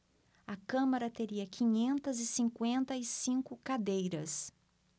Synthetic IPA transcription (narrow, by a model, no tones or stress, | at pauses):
ɐkɐ̃mɐɾɐt̪eɾiɐkʰĩɲẽnt̪ɐzɪsĩŋkwẽnt̪ɐɪsĩŋkʊkad̪ejɾɐs